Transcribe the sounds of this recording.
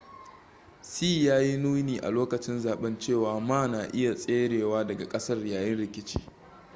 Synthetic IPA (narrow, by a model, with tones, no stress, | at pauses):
siː˦jaː˦ji˦nuː˦niː˨ʔa̰˨loː˦kɐ˨t͡ʃɪ˦nzaː˨ɓɛ˦nt͡ʃeː˦˨waː˨maː˦naː˨ʔɪ˦ja˨sʼeː˦ɽeː˨waː˦dɐ˨ɡa˨kʼɐ˦sɐ˦rjaː˨jɛ˦nɽɪ˨kʲɪ˦t͡ʃi̥̰ː˦